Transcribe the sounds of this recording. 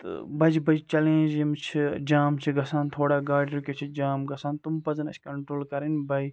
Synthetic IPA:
t̪ɨ̰bɐd͡ʒbɐd͡ʒt͡ʃɐlẽːd͡ʒimt͡ʃʰid͡ʒaːmt͡ʃʰiɡɐsaːnt̪ʰoːɽaːɡaːɽiɾukʲet͡ʃʰid͡ʒaːmɡɐsaːnt̪umpɐzɐnɐ̰t͡ʃʰʲkɐɳʈɾoːlkɐɾinbɐj

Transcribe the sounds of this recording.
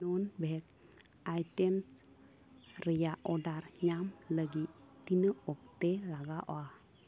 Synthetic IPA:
unbəɦɛk̚ | ajtɛms | ɾəjaʔɔdaɾɲamləɡi | t̪inəɔk̚t̪elaɡaʔo̰a

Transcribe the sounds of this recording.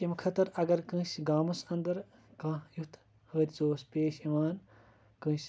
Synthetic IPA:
imkʰɐt̪ɐɾɐɡɐɾkɨ̃ːsɡaːmɐsɐnd̪ɐɾ | kãːjut̪ʰ | həːɾʲt͡soːspʲeːʃiʋaːn | kɨ̃ːs

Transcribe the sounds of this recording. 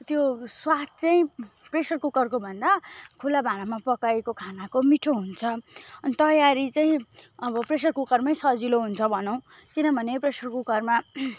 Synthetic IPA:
t̪joswat̪̚t͡saĩpresʌrkukʌrkobʱʌnd̪akʰulabʱaɽ̃amapʌkajkokʰanakomiʈʰoɦunt͡sʰʌʌnit̪ʌjaɾit͡saĩʌbʌpresʌrkukʌrmʌj̃sʌd͡ziloɦunt͡sʰʌbʱʌnʌ̃w̃ | kinʌbʱʌnepresʌrkukʌrma

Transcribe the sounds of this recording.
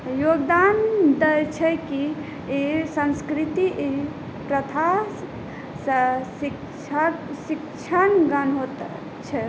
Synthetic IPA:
joɡd̪and̪ət͡ʃʰɛki | esə̃nskɾit̪iʔe | pɾət̪ʰa | səsi | t͡ʃʰasikt͡ʃʰanɡənɦot̪ | t͡ʃʰɛ

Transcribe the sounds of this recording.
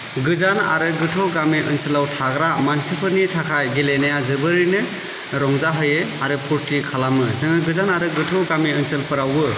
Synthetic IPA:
ɡɯzana̰ɾɯɡɯtʰɔɡamiʔɯnsɯlawtʰaɡɾamansipʰɯɾnitʰakʰajɡelenajazɯbɯɾinɯ | ɾɔŋzaɦɯjɯaɾɯpʰuɾtʰikʰalamɯzɯŋɯɡɯzanaɾɯɡɯtʰɔɡamiɯnsɯlpɯɾawbɯ

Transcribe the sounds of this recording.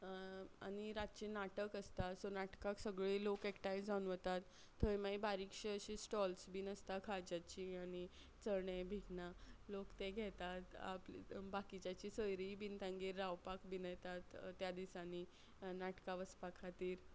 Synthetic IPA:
a̰ñiɾat̪̚t͡ɕinaʈəkəst̪asonaʈkaksəɡɭilokɛkʈajd͡zd͡zanʋət̪at̪ʰː | əjmajbaɾikʂeəɕisʈɔlsbiːnəst̪akʰad͡ʑat͡ɕiañi | t͡səɾɳebʱiɡnalokt̪eɡʱɛt̪at̪a̰plbakit͡ɕat͡ɕisəjɾibint̪ãŋɡiːɾːawpakbinəjt̪at̪ːjad̪isani | naʈkaʋəspakʰat̪iːɾ

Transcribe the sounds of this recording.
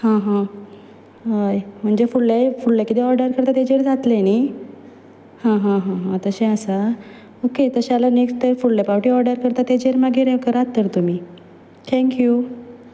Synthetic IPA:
hãɦã | ɦajm̤əɳd͡ʑefuɽlajfuɭlakit̪ɛɔɾɖəɾkəɾt̪at̪ed͡ʑeɾd͡zat̪leni | hãɦãɦãɦãt̪əɕẽəsa | oket̪əɕalanekst̪əɾfuɭlepawʈiɔɾɖəɾkəɾt̪at̪ed͡ʑeɾmaɡʱeɾekəɾat̪ːəɾt̪um̤iː | t̪ʰɛ̃ŋkju

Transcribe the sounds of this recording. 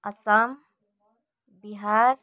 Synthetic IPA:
ɐsaːm | biɦaːɾ

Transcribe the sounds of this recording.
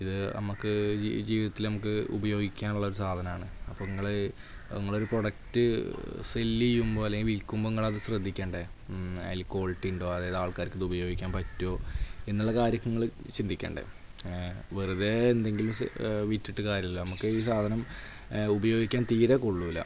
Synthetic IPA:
iðɨnɐ̰mukːɨ̰d͡ʑiːʋiðɐt̪ːilnɐmuk̬ːɨṵbɐjo̞ːɡikʲːaːnuɭːɐo̞ɾusaːd̪ʱɐnɐmaːɳɨɐpːoːŋːɐɭe | eŋːɐɭo̞ɾuproɽɐk̚tɨselːijumbo̞ːleŋɡilʋilkːumboŋːɐɭɐðɨɕrɐd̪ʱːikʲːeːɳɖeɐ̰jlko̞ːɭʈːiɳɖo̞ːɐðaːjɐðaːɭkaːɾikːɐðubɐjo̞ːɡikʲːaːnpɐtːoːe̞nːuɭːɐkaːɾjɐkːɐŋːɐɭt͡ɕind̪ikʲːḛːɳɖḛ | ʋerɨðeːnd̪e̞ŋɡilumʋitːiʈːɨkaːɾjɐmlːonɐmukːɨiːsaːd̪ʱɐnɐm | ubɐjo̞ːɡikʲːaːnt̪iːɾekoɭːuʋilːɐ̰

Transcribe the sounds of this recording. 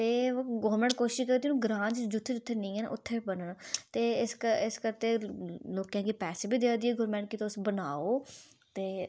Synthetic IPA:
t̪eːɡɔːɾmɛ̃ɳʈ̚koːʃɪʃkəɾd̪inũːɡɾãːd͡ʒd͡ʒʊt̪ʰːed͡ʒʊt̪ʰːeːnĩːɛːnʔʊt̪ʰːeːbənənt̪eːɪskəɪskəɾt̪eːloːkjãːkiːpɛːseːbiːd̪ead̪iːɛːɡʊɾmɛ̃ːɳʈkit̪oʊsbənaːoː | t̪eː

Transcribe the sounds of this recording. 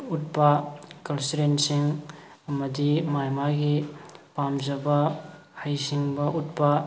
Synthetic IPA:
ut̚pɐkɐnsiɾensiŋ | ɐmɐdimajmaɡipamzɐbɐ | hajsiŋbɐʔut̚pɐ

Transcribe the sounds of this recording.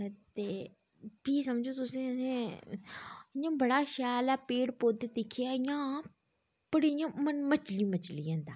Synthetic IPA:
t̪eː | piːsəmd͡ʒoːt̪ʊsẽːəsẽː | jãːbəɽaːʃaːlaːpeːɽpoːt̪eːd̪ekʰijaːɪjãː | pəɽijãːmənmət͡ʃliːmət͡ʃlijãːnd̪aː

